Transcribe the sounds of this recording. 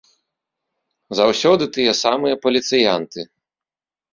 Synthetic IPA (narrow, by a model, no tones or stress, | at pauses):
zawsʲɔd̪ɨt̪ɨjɛsamɨjɐpɐlʲit̪sɨjant̪ɨ